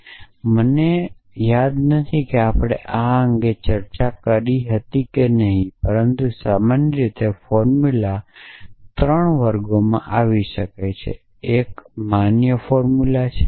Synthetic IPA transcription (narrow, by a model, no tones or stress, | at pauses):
məne | jad̪nət̪ʰikeapɽ̃ḛʔaəŋɡet͡ʃəɾt͡ʃakəɾiɦət̪ikenəɦĩpəɾənt̪usamanəɾit̪efɔɾmula | t̪ɾəɳʋəɾɡomã̰ʔaʋiʃəkajt͡ʃʰḛ | ekmanjəfɔɾmulat͡ʃʰe